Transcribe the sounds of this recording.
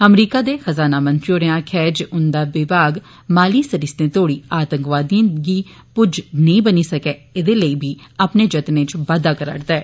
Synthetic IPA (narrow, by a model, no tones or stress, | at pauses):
əmɾiːkaːd̪eːxəzaːnaːmə̃nt̪ɾioːɾeãːkʰɛːd͡ʒʊnd̪aːʋɪbaːɡ | maːliːsəɾist̪ẽːt̪oːɽiːaːt̪ə̃ŋkʋaːd̪iãɡiː | pʊd͡ʒnəĩːbəniːsəkeːɪd̪eːləiːbʱiːaːpneːd͡ʒət̪nẽːt͡ʃʋaːd̪aːkəɾa̰ɾd̪ɛː